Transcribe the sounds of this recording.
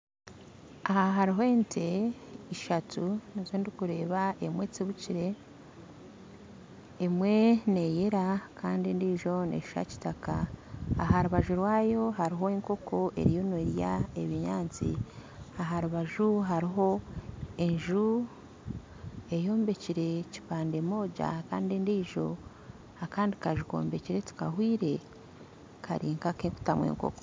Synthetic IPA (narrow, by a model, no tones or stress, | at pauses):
ahaɦaɾiɦoentʰe̞iʃatunizoːndikuɾe̞ːβaemwe̞t͡siβuciɾe̞ | mwe̞ne̞jeɾakʰaːndindiːʒo̞nḛʃʃa̰ci̥taka̰ːhaɾuβaʒuɾwaːjo̞ɦaɾiɦo̞eŋko̞kʰo̞ʔe̞̰ɾijo̞neɾja̰eβiɲaːnt͡sḭaɦaɾuβaʒuɦaɾiɦo̞e̞ɲʒu | e̞jo̞ːmbe̞ciɾe̞ci̥paːnde̞mo̞ːɟa̰kaːndindiːʒo̞ | akaːndikaʒuko̞̰ːmbe̞ciɾe̞ti̥ka̰hwiːɾe̞ | kʰa̰ɾiːŋkakeku̥tamwḛŋko̰ko̥